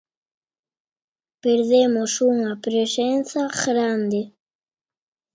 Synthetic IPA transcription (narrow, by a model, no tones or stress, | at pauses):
peɾðemosuŋapɾesẽnθaɣɾand̪e